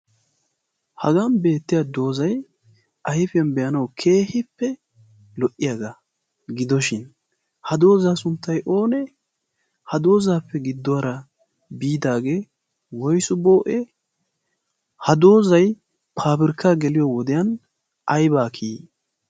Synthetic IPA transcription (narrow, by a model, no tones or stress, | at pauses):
hɐɡɐnbe̞ːt̪ːɪjad̪o̞ːzɐj | ʔɐjɪfɪjɐnbɛjɐnɐwkʰe̞ːhɪpːɛ | lɔʔːɪjɐɡɐ | ɡɪd̪ɔʃɪn | hɐd̪o̞ːzaːsʊnt̪ːɐjʔo̞ːnɛ | hɐd̪o̞ːzaːpːɛɡɪd̪ːɔɐɾɐ | biːd̪aːɡe̞ː | wɔjsʊbo̞ːʔɛ | hɐd̪o̞ːzɐj | pʰaːbɪɾkːaːɡɛlɪjɔwɔd̪ɛjɐn | ʔɐjbaːkʰiː